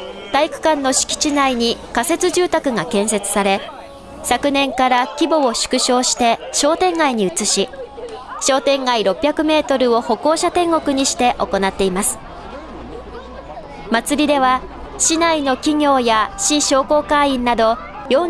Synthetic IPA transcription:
t̪aikɯ̟̥kãnːo̞ɕi̥kʲi̥t͡ɕinaiɲ̟ikase̞t͡sɨʑɨːt̪akɯ̟ŋakẽ̞ɰ̃se̞t͡sɨ̥saɾe̞ | sakɯ̟nẽ̞ŋkaɾakʲibo̞ːɕɨ̥kɯ̟ɕo̞ːɕi̥t̪e̞ɕo̞ːt̪ẽ̞ŋɡaiɲ̟iɯ̟t͡sɨɕi | ɕo̞ːt̪ẽ̞ŋɡaiɾo̞pʲːjakɯ̟me̞ːt̪o̞ɾɯ̟o̞ho̞ko̞ːɕat̪ẽ̞ŋɡo̞kɯ̟ɲ̟iɕi̥t̪e̞ʔo̞ko̞nat̪ːe̞imasɨ̥ | mat͡sɨɾʲid̪e̞βa | ɕinaino̞kʲiɲʲo̞ːjaɕiɕo̞ːko̞ːkaĩnːad̪o̞ | jo̞

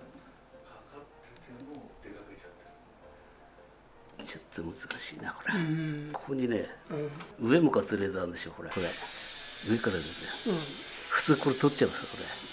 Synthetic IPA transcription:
t͡ɕot̪ʰːomɯ̟zɨkaɕiːnako̞ɾekʰo̥koɲ̟inḛ | ɯ̟e̞mokat͡sɨɾed̪and̪eɕioko̞ɾeko̞ɾe | ɯ̟e̞kaɾad̪esɨne | ɸɯ̥t͡sɨːkoɾet̪ot͡ɕːãesokoɾḛ

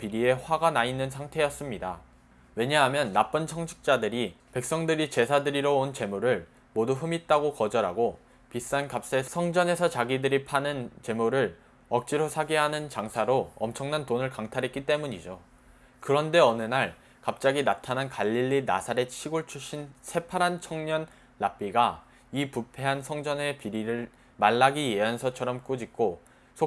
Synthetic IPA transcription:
piɾie̞ɸwaɡanainːɯnsʰaŋtʰe̞jʌs͈ɯmɲida | we̞ɲaɦamjʌnːap͈ɯnt͡ɕʰʌŋt͡ɕʰɯ̥k̚t͡ɕ͈adɯɾipe̞k̚s͈ʌŋdɯɾit͡ɕe̞sʰadɯɾiɾʌont͡ɕe̞muɾɯɭ | moduɸɯmit̚t͈aɡokʌd͡ʑʌɾaɡo | pis͈ankap̚s͈esʰʌŋd͡ʑʌne̞sʰʌt͡ɕaɡidɯɾipʰanɯnt͡ɕe̞muɾɯɭ | ʌk̚t͡ɕ͈iɾosʰaɡeɦanɯnt͡ɕaŋsʰaɾoʌmt͡ɕʰʌŋnantonɯɭkaŋtʰaɾɦet̚k͈it͈e̞muɲid͡ʑo | kɯɾʌnde̞ʌnɯnaɭ | kap̚t͡ɕ͈aɡinatʰanankaʎːiʎːina̰sʰaɾe̞t͡ɕʰiɡoɭt͡ɕʰuɕ͈ʰinsʰe̞pʰaɾɦant͡ɕʰʌŋɲʌnː | ap͈iɡa | ipupʰe̞ɦansʰʌŋd͡ʑʌne̞piɾiɾɯɭ | maɭːaɡieansʰʌt͡ɕʰʌɾʌmk͈ud͡ʑik̚k͈o | sʰo

